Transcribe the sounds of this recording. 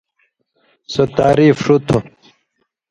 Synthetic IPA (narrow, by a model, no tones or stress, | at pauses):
sɐt̪aːɾiːfʂut̪ʰu